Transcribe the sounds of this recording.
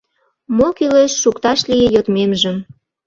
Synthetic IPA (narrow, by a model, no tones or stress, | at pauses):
mokileʃːukt̪ɑʃlijejot̪memʒə̆m